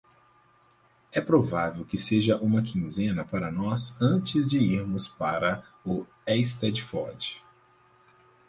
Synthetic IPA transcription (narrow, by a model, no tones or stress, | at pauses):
ɛpɾovavewkɪseʒɐʔũmɐkʰĩzẽnɐpaɾɐnɔsɐ̃t͡ʃɪzd͡ʒɪiɾmʊspaɾɐ | ʊ | ɛst̪ɛd͡ʒfɔɾd͡ʒɪ̥